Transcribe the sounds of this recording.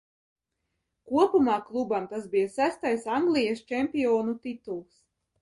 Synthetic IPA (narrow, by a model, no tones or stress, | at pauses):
kuɔpumɑːklˠubamt̪asbijasæst̪ajsaŋɡlʲˠijast͡ʃɛmʲpʲijɔːnut̪it̪ulˠs